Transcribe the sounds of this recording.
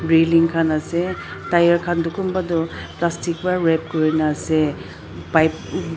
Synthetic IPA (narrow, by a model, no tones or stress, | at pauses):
ɹiliŋkʰanasetajaɾkʰandukumbadɔplastik̚baɾep̚kɔɾinase | pajp